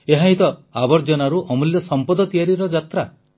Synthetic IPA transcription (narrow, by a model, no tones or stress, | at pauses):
eɦaɦĩt̪ɔabɔɾd͡ʒɔnaɾuʔɔmuljɔsɔmpɔd̪ɔt̪ijaɾiɾɔd͡ʒat̪ɾa